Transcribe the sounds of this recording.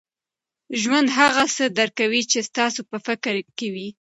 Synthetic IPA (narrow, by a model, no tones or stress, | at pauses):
ʒwand̪ɦaɣasəd̪aɾkawit͡ʃest̪ɑsopəfɪkɾkewi